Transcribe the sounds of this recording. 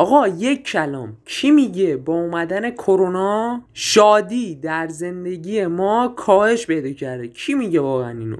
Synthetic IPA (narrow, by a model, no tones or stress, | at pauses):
ɒːɣɒːje̞cʰːælɒ̰ːmkcʰimiɟe̞bɒːumæd̪æne̞kʰoɾonɒːʃɒːd̪iːd̪æɾze̞nd̪e̞ɟiːje̞mɒːkʰɒːhe̞ʃpe̞jd̪ɒːcʰæɾd̪ecʰimiɟevɒːɣeæniːno̰